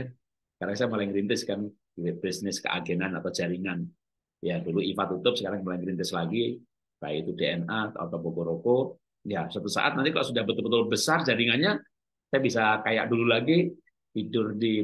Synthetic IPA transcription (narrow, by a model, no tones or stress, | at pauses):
kaɾaŋsajamalaiŋɾint̪ɪskan | ilɪʔ̚bisnɪskə̰ʔa̰ɡenanat̪awd͡ʒaɾiŋan | jaduluifat̪ut̪ʊp̚səkaɾaŋmolaiŋɾint̪ɪslaɡi | ka̰jait̪udeɛnat̪a̰t̪awbokoɾoko | jasat̪usa̰ʔa̰t̪̚nant̪ikaloʔsudahbət̪ʊlbət̪ʊlbəsard͡ʒaɾiŋanɲa | sajabisakaja̰ʔdululaɡi | t̪idʊrdi